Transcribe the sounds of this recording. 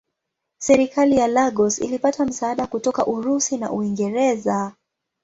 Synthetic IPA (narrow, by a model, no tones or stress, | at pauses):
sɛɾikalijalaɠɔsḭlipatam̩saːɗakutɔkaʔuɾusina̰ʔuiŋɡɛɾɛza